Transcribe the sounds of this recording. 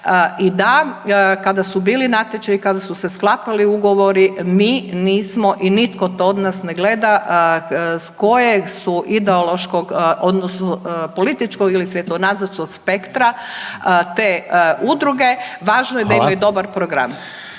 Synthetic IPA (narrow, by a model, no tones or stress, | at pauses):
id̪akad̪asubiːlinat̪et͡ʃaikad̪asuse̞sklˠapaliuɡo̞ʋo̞ɾimiːniːsmoʔinit̪ko̞t̪ood̪nasneɡle̞d̪aʔ | sko̞jesuʔid̪eolˠoʃkoɡʔod̪nosnopo̞lit̪it͡ʃkoɡilisʋjet̪oɡnazad̪skoɡspekt̪ɾa | t̪eud̪ɾuɡe̞ʋaːʒnojed̪aimajud̪o̞baɾpɾoɡɾa̰m